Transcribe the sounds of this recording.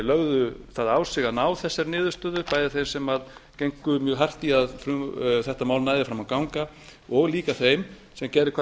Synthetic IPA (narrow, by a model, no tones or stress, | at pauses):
lœɣðʏθaðaːwsɪɣanaːwθɛsːɛɾnɪːðʏ̥st̪œːðʏpaːjðɪθejmsɛmaðcejŋkʏmjœːɣɦar̥t̪iaðfɾʏθɛht̪amaːwlnaːjðɪfɾamawkawŋka | ɔɣliːkaθejm | sɛmcɛːɾɪkʰva